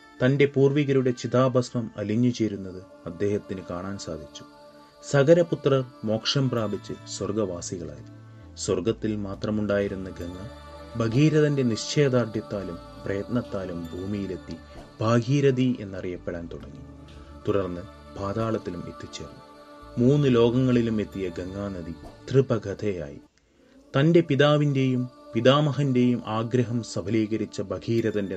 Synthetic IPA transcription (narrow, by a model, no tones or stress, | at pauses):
t̪ɐnde̞puːrʋiɣɐɾuɽe̞t͡ɕiðaːbʱɐsʋɐmɐ̰liɲːut͡ɕe̞ːɾunːɐðɨ | ɐd̪ːe̞ːhɐt̪ːinɨkaːɳaːnsaːd̪ʱit͡ɕːu̥ | sɐɡɐɾɐput̪rɐrmo̞ːkʂɐmpraːbʱit͡ɕːɨswɐrɡɐʋaːsiɣɐɭa̰ːjɐðɨ | swɐrɡɐt̪ːilmaːt̪rɐmuɳɖaːjiɾunːɐɡɐŋːɐ | bʱɐɡiːɾɐðɐnde̞niɕt͡ɕe̞ːd̪aːrɖ̪jɐt̪ːaːlum | prɐjɐt̪nɐt̪ːaːlumbʱuːmijilet̪ːi | b̥ʱaːɡiːɾɐðie̞̰nːɐrijɐpːeɽaːnt̪uɽɐŋːu | t̪uɽɐrnːɨ | bʱaːd̪aːɭɐt̪ːilumḛt̪ːit͡ɕːḛːrnumuːnːɨlo̞ːɡɐŋːɐɭilume̞t̪ːijɐɡeŋːaːnɐðit̪ribɐɡʱɐd̪ʰeja̰ːjḭ | t̪ɐnde̞piðaːʋinde̞jumpiðaːmɐɦɐnde̞jumʔaːɡɾɐɦɐmsɐbʱɐliːɣɐɾit͡ɕːɐbɐɡiːɾɐðɐnde